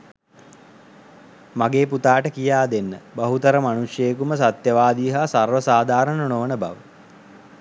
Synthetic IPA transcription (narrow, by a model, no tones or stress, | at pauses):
maɡeːput̪aːʈəkijaːd̪enːəbaɦut̪əɾəmanuʂjəːkuməsat̪jəʋaːd̪iːɦasarʋəsaːd̪ʱaːɾənonoʋənəba̰ʋə